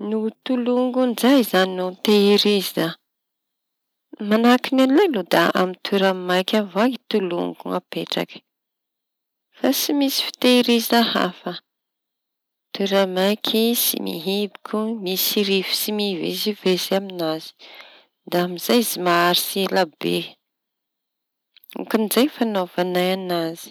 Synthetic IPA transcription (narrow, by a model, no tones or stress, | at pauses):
nut̪uluŋɡunizajzaninut̪eiɾiza | manakinanlelud̪aa̰mit̪ʰuɾamajkʲavaɡit̪ulṵŋɡuŋapeʈ͡ʂa̰kə̥ | fasimisi̥fi̥t̪eiɾiziaha̰fə | t̪uɾamajkʰisḭmḭɦibikʲumisiɾivi̥simivḛzivezeaminaz̥i̥ | d̪aamiz̥ajizimaaɾislabḛ | ṵkanizajfanovanajanazi̥